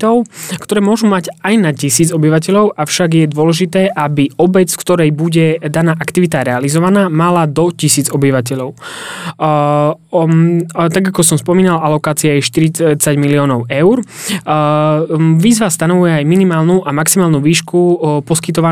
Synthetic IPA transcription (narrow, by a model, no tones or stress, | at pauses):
t̪ɔʊkt̪ɔɾɛːmʊɔʒumaɟajnacisiːd͡zɔbiʋacɛʎɔʊafʃaɡjɛd̪ʊɔlɛʒit̪ɛːʔabiɔbɛt͡sfkt̪ɔɾɛjbuɟɛd̪anaːʔakt̪iʋit̪aɾɛalizɔʋanaːmalad̪ɔcisiːd͡zɔbiʋacɛʎɔʊ | t̪aɡakɔsɔmspɔmiːnalalɔkaːt͡siaɛʃt̪iɾit͡saɟmiliɔːnɔʊʔɛʊɾ | ʋiːzʋast̪anɔʋujɛajminimaːlnuʔamaksimaːlnuʋiːʃkupɔskit̪ɔʋa